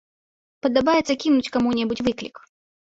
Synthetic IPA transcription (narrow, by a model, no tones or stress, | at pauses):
pɐd̪abajɛt̪sɐkʲinʊt͡sʲkamunʲɛbut͡sʲvɨklʲḭk